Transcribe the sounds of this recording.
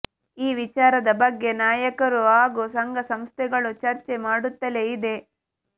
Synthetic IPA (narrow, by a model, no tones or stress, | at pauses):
iːʋit͡ʃaːɾɐd̪ɐbɐɡːe̞naːjɐkɐɾuaːɡusɐŋɡɐsɐmst̪ʰɛɡɐɭut͡ʃɐɾt͡ʃe̞maːɽut̪ːɐle̞id̪e̞